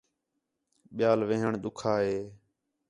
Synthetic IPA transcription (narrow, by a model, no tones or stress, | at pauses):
ɓɪjaːlʋẽːɦəɳɗ̪ʊkʰaːɦeː